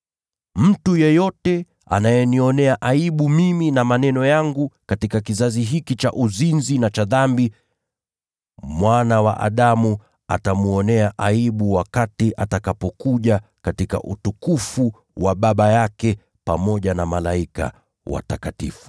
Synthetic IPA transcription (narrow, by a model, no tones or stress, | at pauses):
m̩tujɛjɔtɛ | a̰najɛniɔnɛaʔaiɓumiminamanɛnɔjaŋɡukatikakizaziɦikit͡ʃaʔuzinzinat͡ʃaðambi | mwanawa̰ʔa̰ɗamu | a̰tamuɔnɛaʔaiɓuwakatiʔatakapɔkuʄa | katika̰ʔṵtukufu | waɓaɓajakɛ | pamɔʄanamalaika̰ | wa̰takatḭfu̥